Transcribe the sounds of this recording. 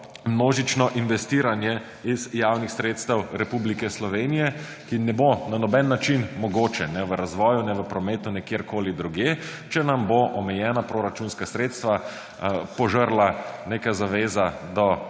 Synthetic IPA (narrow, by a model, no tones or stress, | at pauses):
mnoːʒit͡ʃnɔʔinʋɛst̪iːɾanjɛ | izjawnixsɾeːt̪st̪ɛwɾɛpublikɛslɔʋeːnijɛ | kinɛbonanɔbɛnːat͡ʃinmɔɡoːt͡ʃɛnɛʋəɾazʋɔːjunɛʋəpɾɔmeːt̪unɛkjeːɾkoːlid̪ɾuɡjeːt͡ʃɛnamboʔɔmɛjɛːnapɾoɾat͡ʃunskasɾeːt̪st̪ʋa | pɔʒəɾlanekazaʋeːzad̪ɔ